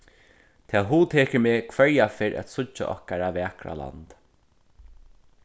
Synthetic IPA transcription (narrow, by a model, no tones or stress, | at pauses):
t̪ʰɛːɦuːt̪ʰeːkəɹmeːkʰvɛɹjafɪːɾʔæ̰t̪sʊt͡ʃːa̰ʔɔ̰hkaɾavɛːkɾa̰la̰nt̪